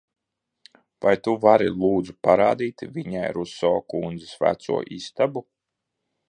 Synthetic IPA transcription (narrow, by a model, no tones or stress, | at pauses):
vajt̪uvaɾilˠuːd̪zupaɾaːd̪iːt̪vʲiɲajɾusɔːkund̪zisvæ̰t̪sṵɔʔist̪abu